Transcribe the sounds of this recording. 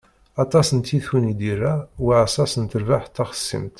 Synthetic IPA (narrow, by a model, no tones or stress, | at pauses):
ɑt̪ˤɑsənt̪ːiθunid̪irːawiʕæsɑsənt̪əɾvaħt̪ːɑχə̥sːə̰mt̪